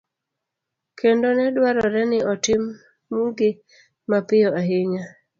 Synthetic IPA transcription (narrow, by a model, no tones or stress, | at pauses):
kʰendonɛdwaɾɔɾɛnɪɔtɪmː | uŋɡɪ | mapɪjɔaɦɪɲa